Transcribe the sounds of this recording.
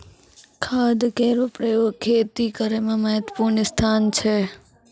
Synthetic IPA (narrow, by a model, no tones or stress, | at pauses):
kʰad̪keɾopɾəjoɡ̚kʰet̪ikəɾemãməɦət̪ə̥puɾɳist̪ʰant͡ʃʰe